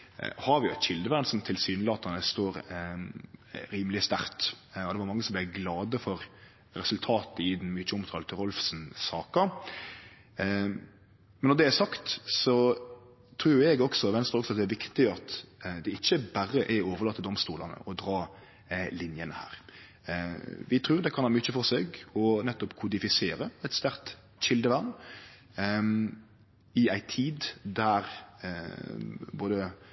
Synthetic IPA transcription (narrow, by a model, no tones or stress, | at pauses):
hɑɾʋɪʊɛt̪çɪld̪əʋæɾnsɔmt̪ʰɪlsyːnlɑːt̪ɑnəst̪oːɾ | ɾiːməlɪst̪æ̰ɾt̪ | ɔd̪ɛʋɑɾmɑŋːəsɔmb̪ɛɡlɑːd̪əfɔɾ | ɾɛsʉlt̪ʰɑːt̪əɪd̪ɛnmyːt͡ʃəʊmt̪ʰɑːlt̪ʰɪɾɔlfsnsɑːkɑ | mɛnːɔd̪ɛæsɑkt̪sɔ | t̪ʰɾuːɾɛɡɔksɔʋɛnst̪əɾɔksɔɑt̪̚d̪ɛæɾʋɪkt̪ɪɑt̪d̪ɛɪçːəbæɾːəʔæoːʋəɾlɑːt̪ːəd̪ɔmst̪uːlɑnə̰ʔɔd̪ɾɑː | lɪnjənəhæ̰ːɾ | ʋɪt̪ʰɾʉːɾd̪ɛkʰɑnhɑːmyt͡ʃːəfɔɾseːɡɔnɛt̪ːɔpkʰʊd̪ɪfɪseːɾəæɪt̪st̪æʁt̪ | ɕɪld̪əʋæʁn | ɪæɪt̪ʰiːd̪d̪æɾ | boːd̪ə